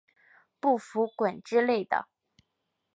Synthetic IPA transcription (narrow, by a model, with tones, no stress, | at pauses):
pu˥˩fu˧˥kwa˨˩nʈ͡ʂɻ̩˥le˥˩ɪd̪ə̰˩